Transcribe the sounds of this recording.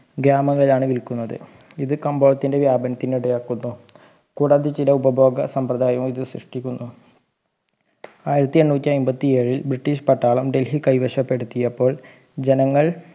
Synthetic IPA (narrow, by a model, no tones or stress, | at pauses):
ɡɾaːmɐŋːɐɭilaːɳɨʋilkːunːɐðɨ̰ | iðɨkɐmboːɐt̪ːinde̞ʋjaːbɐnɐt̪ːiniɽɐjaːkːunːu | kuːɽaːðit͡ɕilɐubɐbʱo̞ːɡɐsɐmprɐd̪aːjɐmiðɨsrḭʂʈikʲːunːu | aːjiɾɐt̪ːieɳːuːtːiɐjmbɐt̪ːie̞ːɻilbɾiʈːiːɕpɐʈːaːɭɐmɖe̞lhikɐjʋɐɕɐpːe̞ɽut̪ːijɐpːo̞ːɭ | d͡ʑe̞nɐŋːɐɭ